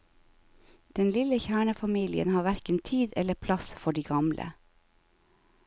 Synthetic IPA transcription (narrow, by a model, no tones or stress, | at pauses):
d̪̥ɛnlɪləçæːɳəfɑmiːlɪə̰nhɑːʋæɾkənt̪ʰiːd̪ɛləpʰlɑsfɔɖiːɡɑmlʔə̰